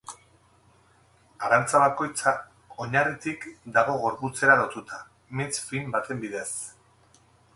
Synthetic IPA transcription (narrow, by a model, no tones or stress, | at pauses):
aɾant͡saβako̞jt͡sa | o̞ɲarit̪ikd̪aɣ̞o̞ɣ̞o̞ɾput͡se̞ɾaðowt̪ut̪ʰa | mit͡sfimbat̪e̞mbiðe̞s